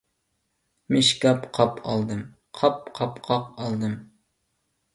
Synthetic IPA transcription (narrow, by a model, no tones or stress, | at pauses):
mɪʃkʲɑpqʰɑpʰɑlˠd̪ɨm | qʰɑp̚qʰɑpqʰɑqɑlˠd̪ɨm